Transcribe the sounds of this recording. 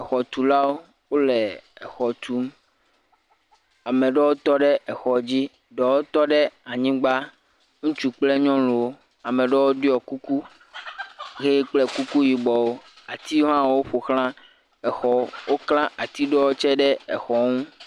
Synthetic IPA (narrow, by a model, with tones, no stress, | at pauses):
ɛ˨xɔ˨t̪u˨la˦wo˦ | wo˦lɛ˨ɛ˨xɔ˨t̪u˦m | a˨mɛ̃˨ɖɛ˦wo˦t̪ɔ˦ɖɛ˦ʔɛ˨xɔ˨d͡ʑi˦ | ɖɔ˨wo˦t̪ɔ˦ɖɛ˦a˨ɲĩ˦ɡ͡ba˦ | ŋũ˦t͡ʃu˦k͡ple˦ɲɔ̃˦lo˨wo˦ | a˨mɛ̃˨ɖɛ˦wo˦ɖi˦ɔ˨ku˦ku˦ | ɣe˦k͡plɛ˦ku˦ku˦ji˨ɡ͡bɔ˨wo˦ | a˨t̪i˦ɦã˦˨wo˦ɸo˨xlã˦ | ɛ˨xɔ˨wʔo˦klã˦ʔa˨t̪i˦ɖɔ˦wo˦t͡ʃɛ˦ɖɛ˦ɛ̰˨xɔ˨ŋũ˦